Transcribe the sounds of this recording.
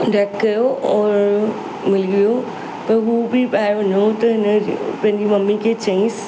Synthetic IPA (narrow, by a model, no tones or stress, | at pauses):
ɖɐkkɐjoɔːɾɾ | mɪliɡijo | pɐɾɦuːbɪpaːɪɾʋɐɲot̪ɐɦɪnpɐ̃ɦɪɲd͡ʑimɐmːikʰet͡ɕɐĩːs